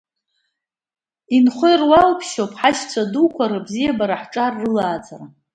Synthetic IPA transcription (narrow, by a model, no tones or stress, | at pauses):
inχʷojrwalpʰʃopʰʼħaʃt͡sʷʰadukʷʰaɾɨbzijabaɾaħʈ͡ʂʼarːɨlaːt͡sʰʼara